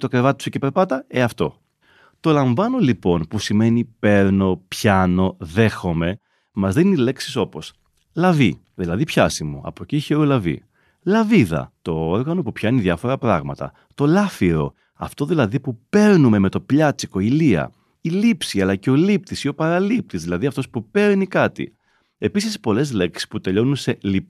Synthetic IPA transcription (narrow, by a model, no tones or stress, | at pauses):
t̪oɐkɾe̞vɐt̪u̥secepeɾpɐt̪ɐeɐft̪o̞̰ | t̪o̞lɐɱvɐno̞lipo̞npusime̞nipe̞ɾno̞pçɐno̞ðe̞xo̞me̞ | mɐzðinile̞ksi̥so̞po̞s | lɐvi | ðilɐðipçɐsimoɐ̰po̞ciçeɾolɐvḭ | lɐviðɐ̰t̪o̞oɾɣɐno̞pupçɐniðjɐfo̞ɾɐpɾɐɣmɐt̪ɐ̰ | t̪o̞lɐfiɾo̞̰ | ɐft̪o̞ðilɐðipupe̞ɾnume̞me̞t̪o̞pʎɐt͡siko̞iliɐ̰ | ilipsiɐlɐceo̞lip̚t̪isio̞pɐɾɐlip̚t̪izðilɐðiɐft̪o̞spupe̞ɾnikɐt̪ḭ | e̞pisispo̞le̞zle̞ksi̥sput̪e̞ʎo̞nunse̞lip